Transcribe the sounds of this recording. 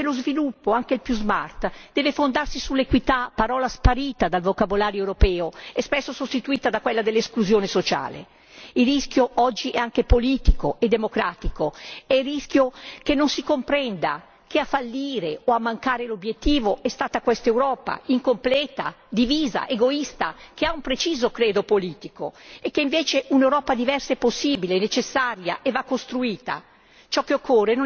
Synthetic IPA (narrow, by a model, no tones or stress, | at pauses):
elozvilupːoaŋkelpjuzma̰rt̪d̪ɛːvefond̪arsisulːekwit̪apːaɾɔːlaspaɾiːt̪ad̪alvokabolaːɾjoewɾopɛːoɛspɛsːosost̪it̪uiːt̪ad̪akwɛlːad̪elːeskluzjoːnesot͡ʃa̰ːlḛ | iriskjoʔɔd͡ʒːiʔɛaŋkepoliːt̪ikoed̪emokɾaːt̪ikoɛrisk̟jokenːonsikompɾɛnd̪a̰ | k̟eafalːiːɾeoamːaŋkaːɾelobjet̪ːiːvoʔɛst̪aːt̪akwɛst̪ewɾɔːpa̰iŋkomplɛːt̪a̰d̪iviːza̰ʔeɡoist̪akeaumpɾet͡ʃiːzokɾeːd̪opoliːt̪iko̰ekːeiɱveːt͡ʃeʔunewɾɔːpad̪ivɛrsaɛpːosːiːbilenet͡ʃesːaɾja̰ʔevakːost̪ɾuiːt̪a̰ | t͡ʃɔkːeokːoːreno